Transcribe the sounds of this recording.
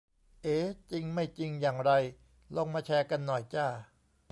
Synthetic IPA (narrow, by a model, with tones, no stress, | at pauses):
ʔeː˨˦˥t͡ɕi˧ŋma˥˩jt͡ɕi˧ŋjaː˨˩ŋɾa˧j | lo˧ŋmaː˧t͡ɕʰɛː˧ka˧nːɔ˨˩jt͡ɕaː˧˩